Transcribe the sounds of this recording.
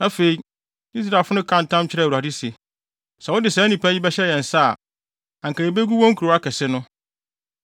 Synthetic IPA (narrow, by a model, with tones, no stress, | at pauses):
nã˦fe˨i˦ | i˦s̬ɾa˨fʊ˦nʊ̃˦kʰã˦˨n̩˨tʰã˦mt͡ɕʰɪ˦ɾu˨a˨di˦se˨ | sɛ˨wʊ˦dɪ˨sɛ˨˦nĩ˨pʰa˦jɪ˦bɛ˦ɕɛ˦jɛ̃˨n˨sa̰˦˨ | ã˨ŋ˨ka˨ɾe˨be˦ɡu˦wɔ̃˦ŋ˦kʰu˨ɾo˨˦a˦kɛ˨sɪ˦nʊ̃˦